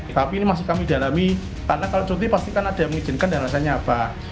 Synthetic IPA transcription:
t̪apiːnimas̬ɪhkamidalami | kaɾənakalot͡ʃut̪ipast̪ikanad̥a̤məŋi̥d͡ʒ̥ɪ̤nkandanlasaɲaːb̥a

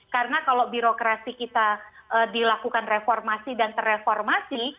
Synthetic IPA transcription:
karənakalobiɾokɾasikit̪aʔədilakukanrefɔrmasidant̪ərefɔrmasi

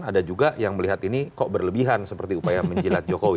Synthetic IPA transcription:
nadad͡ʒuɡaʔjaŋməliɦat̪inikɔʔbərləbiɦansəpərt̪iupajaməɲd͡ʒilat̪̚d͡ʒokowi

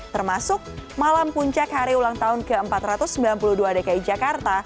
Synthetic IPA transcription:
t̪ərmasʊk̚malampuɲt͡ʃakhaɾiulaŋt̪aʊnkəəmpat̪ɾat̪ʊsːəmbilanpuluduadekaid͡ʒakart̪a

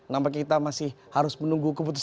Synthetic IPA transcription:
nampak̬it̪amasɪh | haɾʊsmənuŋɡukəp̬ut̪us

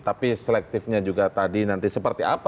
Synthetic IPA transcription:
t̪apisəlɛk̚t̪ɪfɲad͡ʒuɡat̪adinant̪isəpərt̪ia̰p

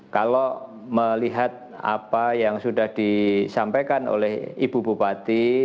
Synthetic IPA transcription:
kalo | məliɦat̪̚ | a̰pajaŋsudahd̥isampekano̰lɛhib̥ububat̪i

